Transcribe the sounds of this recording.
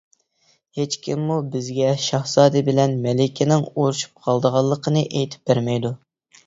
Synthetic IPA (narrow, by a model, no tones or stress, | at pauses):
het͡ʃkʲimːubɪzɡʲɛʃɑhsɑːd̪ɨbɪlɛnmɛlɪkʲʰɪnɪŋoɾuʃu̥p̚qʰɑlˠd̪əʁɑlˠːəqʰənɨʔejt̪ʰɪ̥p̚bæɾmɛjd̪u